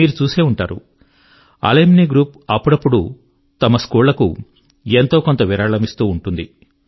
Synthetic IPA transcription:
iːɾut͡ʃuːse̞ːuɳʈaːɾṵ | ɐ̰lemniːɡɾuːpɐpːuɽɐpːuɽu | t̪ɐmɐskuːllɐkṵ | e̞nt̪o̞ːkont̪ɐʋiɾaːɭɐmist̪uːɳʈund̪ḭ

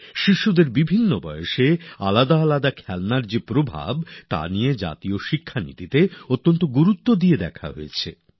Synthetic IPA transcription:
ʃiʃːud̪eɾbibʱinːobɔjoʃealad̪aːlad̪akʰɛlnaɾd͡ʑepɾobʱa̰bt̪a̰nijed͡ʑa̰t̪ioʃikʰːanḭt̪it̪eot̪ːont̪oɡuɾut̪ːod̪ied̪ɛkʰa̰ɦo̰jet͡ɕʰe

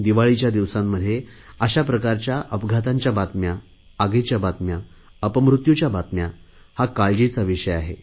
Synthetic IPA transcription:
d̪iʋaɭit͡ɕjad̪iʋsamːəd̪ʱːjeəɕapɾəkaɾt͡ɕjaʔəpɡʱat̪aɲt͡ɕjabat̪mjaː | ɡet͡ɕjabat̪mjaəpəmɾut̪jut͡ɕjabat̪mja | hakaɭd͡ʑit͡saʋiʂəjaɦe

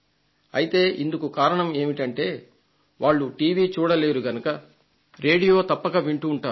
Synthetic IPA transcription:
ɐjit̪e̞ːʔind̪ukukaːɾɐɳɐme̞ːmiʈɐɳʈe̞ː | ʋaːɭːuʈiːʋiːt͡ʃuːɽɐle̞ːɾuɡɐnukɐ | ɾe̞ːɽijo̞ːt̪ɐpːɐɡɐʋiɳʈuːɳʈaːɾu

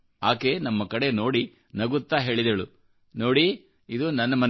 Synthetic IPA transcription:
aːke̞nɐmːɐkɐɽe̞noːɽi | nɐɡut̪ːaːɦe̞ːɭid̪ɐɭu | no̞ːɽi | id̪unɐnːɐmɐn

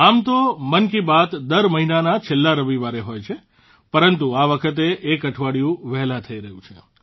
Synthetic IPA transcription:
amt̪omənkibat̪d̪əɾməɦinanat͡ʃʰelːaɾəʋiʋaɾeɦojt͡ʃʰe | pəɾənt̪uaʋəkʰət̪̬eʔːkəʈʰʋaɽjũʋɛɦlãt̪ʰəiɾəɦjũt͡ʃʰḛ

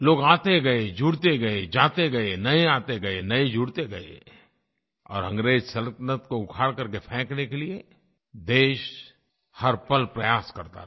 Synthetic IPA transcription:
loːɡaːt̪eɡɐed͡ʒuːɽt̪eɡɐed͡ʒaːt̪eɡɐenɐeaːt̪eɡɐenɐed͡ʒuːɽt̪eɡɐḛ | ɔ̰ːɾɦɐ̃ŋɡɾeːd͡ʒsɐlət̪nət̪koʊɡʰaːɽkɐɾkepʰɛ̃ːknekelie | d̪eːʃ | hɐɾpɐlpɾɐjaːskɐɾt̪a̰

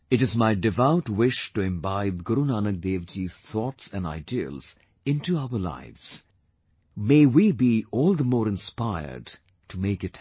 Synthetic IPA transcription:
ɨɾɨzmaɪdɪvaʊtwɪʃʈuɪ̃mbaɪb̚ɡʊɾunaːnək̚d̪eːʋd͡ʒiz̥θɔːtsæ̃na̰ɪdiə̰lz̥ | ɪ̃ntuaʊəla̰ɪvz̥ | meɪwibiɔːlˠd̪əmoːɾɪ̃nspaɪə̰ɾɖ | tʰumeɪkɨt

